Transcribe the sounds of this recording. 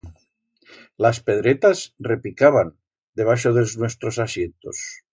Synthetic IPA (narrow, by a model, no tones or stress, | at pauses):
laspe̞ðɾet̪azrepikaβ̞an | d̪e̞β̞aʃoðelznwe̞st̪ɾosasje̞nt̪o̰s